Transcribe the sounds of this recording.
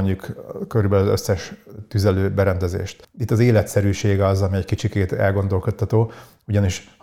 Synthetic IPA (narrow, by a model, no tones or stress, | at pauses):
ɲjukkøɾybɛlɒzø̰sːɛʃt̪yzɛløːbɛɾɛnd̪ɛzḛːʃt̪it̪ːɒzeːlɛt̪sɛɾyːʃeːɡɒzɒmiɛɟkit͡ʃikeːt̪ɛ̰lɡo̞nd̪o̞lko̞t̪ʰːɒt̪oː | uɟɒniʃ